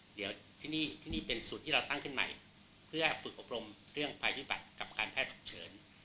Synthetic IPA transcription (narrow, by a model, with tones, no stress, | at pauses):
di˩˦əwt̪ʰiː˥˩niː˥˩t̪ʰiː˥˩niː˥˩pe˧nst̪ʰːiː˥˩ɾa˧wt̪a˥˩ŋkʰɯ˥˩nma̰˨˩j | pʰɯ˥˩ɐfɯ˨˩k̚ʔo˨˩p̚ɾo˧mɾɯ˥˩əŋpʰaː˧jʰu˦˥˩ba̰˨˩t̪̚ka˨˩p̚kaː˧npʰɛː˥˩t̪̚t͡ɕʰu̥˨˩k̚t͡ɕʰɤː˩˦n